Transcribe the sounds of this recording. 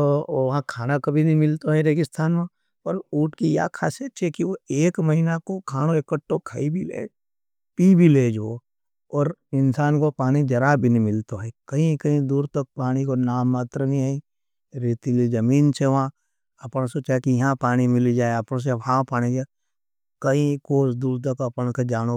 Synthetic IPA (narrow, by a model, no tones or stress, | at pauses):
ooʋɐɦãkʰaːnakɐbʱinɐĩmɪlt̪oɦɛɾeːkɪst̪ʰaːnmẽ | ɐɾuːʈkija̰kʰaːset͡ʃʰekiʋoeːkməɦiːnakokʰaːɽ̃oekəʈːokʰaibʱilḛːd͡ʒ | piːbʱileːd͡ʒʋo | ɔːɾɪnsaːnkopaːɽ̃id͡ʒɐɾabʱinĩmɪlt̪oɦɛkɐɦĩkɐɦĩd̪uːɾt̪ɐk̚paːɽ̃ikonaːmːaːt̪ɾənĩaĩ | ɾiːt̪ilizɐmiːnseʋã | ɐpñsot͡ʃakijɐɦãpaːɽ̃imɪlid͡ʒaːeɐpɽ̃õs̬ebʱãːpaːɽ̃ĩd͡ʒa | kɐɦĩkoːsd̪uːɾt̪̬ɐkɐpɽ̃sed͡ʒaːño